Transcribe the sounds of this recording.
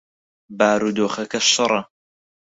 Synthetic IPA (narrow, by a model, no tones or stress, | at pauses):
baːɾud̪oːχɐkɐʃɨɾˤɐ